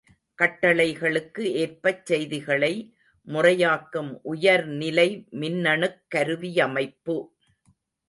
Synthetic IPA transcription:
kɐʈːɐɭɐɪɣɐɭɯkːɯeːrpɐt͡ʃːɛjðɪɣɐɭɐɪ | mʊrɐjaːkːɯmʔʊjɐɾnɪlɐɪmɪnːɐɳɯkːɐɾɯʋɪjɐmɐɪpːɯ

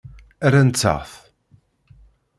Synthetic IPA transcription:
æɾant͡sːə̰ʁθ

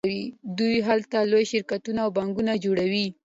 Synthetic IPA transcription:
wid̪ujɦalt̪alojʃɪɾkat̪unaːwbaŋɡunad͡ʒoɽawi

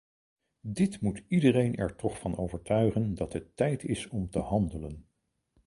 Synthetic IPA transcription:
dɪtmutidərejnʔɛ̰ɹtɔχfɑnowvəɹtœɥχəndɑtətːɛjtʰɪsɔmtəhɑndələn

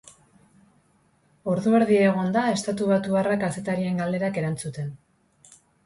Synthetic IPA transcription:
o̞ɾðue̞ɾðieɣ̞o̞nd̪ae̞st̪at̪uβat̪uβarakase̞t̪aɾie̞ŋɡald̪e̞ɾake̞ɾant͡sut̪e̞n

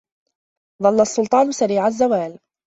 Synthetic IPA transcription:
d̪ˤɑlːasˤːʊlt̪ˤɑːnʊsaɾiːʕazːawaːl

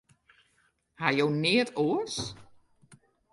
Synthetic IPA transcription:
hajownɪətoəs

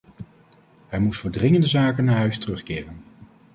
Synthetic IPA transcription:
ɦɛjmustfəːɹdrɪŋəndəzaːkənːaːɹɦœɥstərɵχkɪːrən

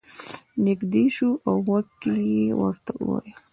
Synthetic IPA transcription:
nɪkd̪eʃuʔawːakkːijewə̰ɾt̪auwa̰ji

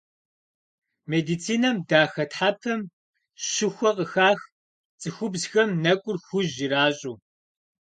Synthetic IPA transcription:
meːdit͡sʰiːnɐmdaːxɐtħapʰɐm | ɕɪxʷɔqəxaːx | t͡sʼɨxʷʊbzxɐmnɐkʷʼʊrxʷʊʑiɾaːɕʼuː

